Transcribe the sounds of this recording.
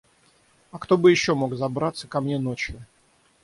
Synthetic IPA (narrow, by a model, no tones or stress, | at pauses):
ɐkt̪o̞bɨjɪɕːo̞mo̞kzɐbɾat̪səkɐmnʲe̞no̞t͡ɕjʊ